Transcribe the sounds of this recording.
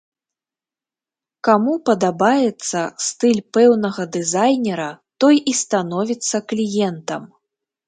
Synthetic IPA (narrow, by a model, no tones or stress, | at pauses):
kamupɐd̪abajɛt̪sːɐst̪ɨlʲpɛwnɐɣɐd̪ɨzajnʲɛɾɐt̪ɔjʔist̪anɔvʲit̪sːɐklʲijɛnt̪ɐm